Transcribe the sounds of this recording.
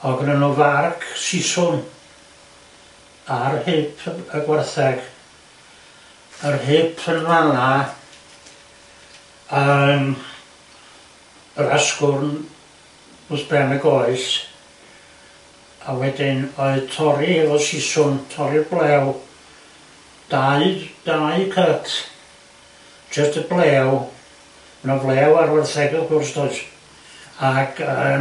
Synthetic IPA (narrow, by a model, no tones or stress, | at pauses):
ɔɡənənuvarkʰsɪsʊm | arhɨpʰəɡwɛrθɛɡ̥ | ərhɨpʰənvana | əm | əɾaskʊrn | ʊsb̥rɛmɛɡoɨɬ | awɛdɪnoɨðtʰɔɾihɛvɔsɪsʊntʰɔɾiəblˠɛw | d̥aɨd̥aɨkʰətʰ | d͡ʒəstəblˠɛw | mnɔvlˠɛːwarwɛrθɛɡɛlˠkʰʊrstʰoɨd | aɡ̥ə